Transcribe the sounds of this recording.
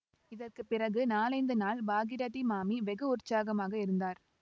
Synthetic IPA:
ɪðɐrkɯpːɪrɐɣɯnaːlɐɪnd̪ɯnaːlbaːɣɪɾɐðimaːmiʋɛɣɯʊrt͡ʃːaːɣɐmaːɣɐɪɾɯnd̪aːɾ

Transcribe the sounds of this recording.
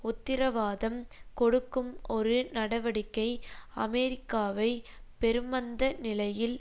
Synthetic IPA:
ʊt̪ːɪɾɐʋaːðɐmkɔɽɯkːɯmɔɾɯnɐɽɐʋɐɽɪkːɐɪɐmɛɾɪkːaːʋɐɪ | pɛɾɯmɐnd̪ɐnɪlɐjɪl

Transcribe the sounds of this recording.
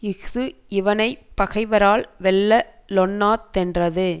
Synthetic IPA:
ɪɣðɯɪʋɐnɐɪpːɐɣɐɪʋɐɾaːlʋɛlːɐlɔnːaːt̪ːɛndrɐðɯ

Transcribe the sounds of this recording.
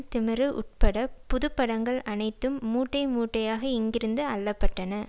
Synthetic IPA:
t̪ɪmɪɾɯʔʊ̰ʈ̚pɐɽɐpːʊðɯpːɐɽɐŋɡɐɭɐnɐɪt̪ːɯmːuːʈːɐɪmuːʈːɐjaːɣɐɪŋɡɪɾɯnd̪ɯɐlːɐpːɐʈːɐnɐ

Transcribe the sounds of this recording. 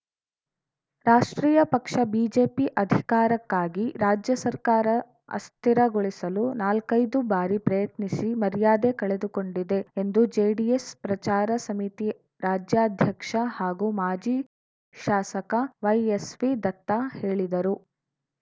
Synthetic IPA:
ɾaːʂʈɾiːjɐpɐkʂɐbiːd͡ʒeːpiʔɐd̪ʱikaːɾɐkːaːɡiɾaːd͡ʒjɐsɐɾkaːɾɐ | ɐ̰st̪ʰiɾɐɡoɭisɐlunaːlkɐjd̪ubaːɾipɾɐjɐt̪nisimɐɾijaːd̪ekɐɭed̪uko̞ɳɖid̪e̞end̪ud͡ʒeːɖiespɾɐt͡ʃaːɾɐsɐmit̪i | ɾaːd͡ʒjaːd̪ʱjɐkʂɐhaːɡumaːd͡ʒiː | ʃaːsɐkɐʋɐjesʋid̪ɐt̪ːahe̞ːɭid̪ɐɾu

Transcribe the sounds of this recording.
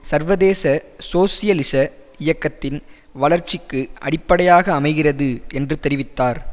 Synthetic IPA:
sɐɾʋɐðeːsɐsoːsɪjɐlɪsɐ | ɪjɐkːɐt̪ːɪn | ʋɐɭɐɾt͡ʃːɪkːɯʔɐ̰ɽɪpːɐɽɐjaːɣɐːmɐɪɣɪrɐðɯʔɛndrɯt̪ɛɾɪʋɪt̪ːaːɾ

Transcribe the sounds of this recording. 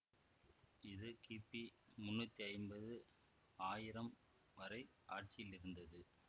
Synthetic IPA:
ɪðɯkiːpːimʊnːʊt̪ːiɐɪmbɐðɯ | aːjɪɾɐm | ʋɐɾɐɪ | ʔaːʈ̚t͡ʃɪjɪlɪɾɯnd̪ɐðɯ

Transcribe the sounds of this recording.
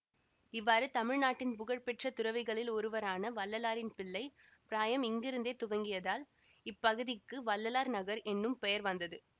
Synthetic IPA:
ɪʋːaːɾɯt̪ɐmɪɻnaːʈːɪnpʊɣɐɻpɛʈrɐt̪ʊɾɐʋɪɣɐɭɪlɔɾɯʋɐɾaːnɐʋɐlːɐlaːɾɪnpɪɭːɐɪ | pɪɾaːjɐmɪŋɡɪɾɯnd̪eːt̪ʊʋɐŋɡɪjɐðaːl | ɪpːɐɣɯðɪkːɯʋɐlːɐlaːɾnɐɣɐɾʔɛnːɯmpɛjɐɾʋɐnd̪ɐðɯ

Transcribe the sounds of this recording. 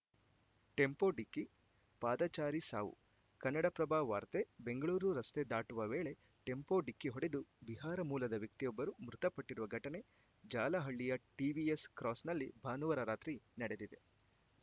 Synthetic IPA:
ʈe̞mpo̞ɖikːi | paːd̪ɐt͡ʃaːɾisa̰ːʋṵ | kɐnːɐɽɐpɾɐbʱaːʋa̰ːɾt̪ebe̞ŋɡɐɭuːɾuɾɐst̪e̞d̪aːʈuʋɐʋeːɭe̞ | ʈe̞mpo̞ɖikːiɦoɽe̞d̪ubiɦaːɾɐmuːlɐd̪ɐʋjɐk̚t̪ijɔbːɐɾumɾut̪ɐpɐʈːiɾuʋɐɡʱɐʈɐne̞ | d͡ʒaːlɐɦɐɭːijɐʈiʋieskɾɔːsnɐlːibʱaːnuʋɐɾɐɾaːt̪ɾinɐɽe̞d̪id̪e̞

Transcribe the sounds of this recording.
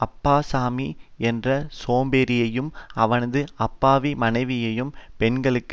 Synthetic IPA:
ɐpːaːsaːmiɛndrɐsoːmbeɾɪjɐjɯmɐʋɐnɐðɯɐpːaːʋimɐnɐɪʋɪjɐjɯmpɛnɡɐɭɯkː

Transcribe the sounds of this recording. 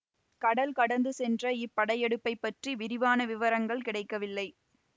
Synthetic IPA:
kɐɽɐlkɐɽɐnd̪ɯsɛndrɐɪpːɐɽɐjɛɽɯpːɐɪpːɐʈriʋɪɾɪʋaːnɐʋɪʋɐɾɐŋɡɐɭkɪɽɐɪkːɐʋɪlːɐɪ

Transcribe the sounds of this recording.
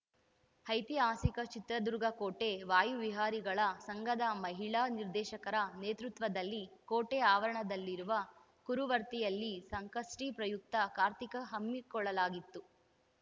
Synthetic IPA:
hɐjt̪iaːsikɐt͡ʃit̪ɾɐd̪uɾɡɐkoːʈe̞ʋaːjuʋiɦaːɾiɡɐɭɐsɐŋɡɐd̪ɐmɐɦiɭaːniɾd̪ɛːʃɐkɐɾɐneːt̪ɾut̪ʋɐd̪ɐlːikoːʈeaːʋɐɾɐɳɐd̪ɐlːiɾuʋɐ | kuɾuʋɐɾt̪ijɐlːisɐŋkɐʂʈiːpɾɐjuk̚t̪ɐkaːɾt̪ikɐɦɐmːikɔɭːɐlaːɡit̪ːu

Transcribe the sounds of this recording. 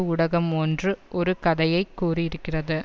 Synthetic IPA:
ʊɽɐɣɐmɔndrɯʔɔɾɯkɐðɐjɐɪkːuːriɪɾɯkːɪrɐðɯ

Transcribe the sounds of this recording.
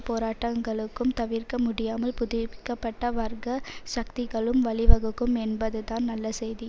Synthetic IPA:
poːɾaːʈːɐŋɡɐɭɯkːɯmt̪ɐʋɪɾkɐmʊɽɪjaːmɐlpʊðɪɪkːɐpːɐʈːɐʋɐɾɡɐʃɐk̚t̪ɪɣɐɭɯmʋɐɭɪʋɐɣɯkːɯmɛnbɐðɯt̪aːnnɐlːɐsɛjði

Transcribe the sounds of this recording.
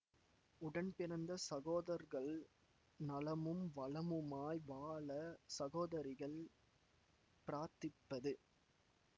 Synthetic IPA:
ʊɽɐnpɪɾɐnd̪ɐsɐɣoːðɐɾɣɐɭ | nɐlɐmɯmʋɐɭɐmɯmaːjʋaːɭɐsɐɣoːðɐɾɪɣɐɭ | pɪɾaːɾt̪ɪpːɐðɯ

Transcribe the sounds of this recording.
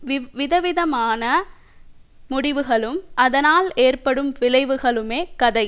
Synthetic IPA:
ʋɪðɐʋɪðɐmaːnɐ | mʊɽɪʋɯɣɐɭɯmʔɐðɐnaːleːrpɐɽɯmʋɪlɐɪʋɯɣɐɭɯmeːkɐðɐɪ

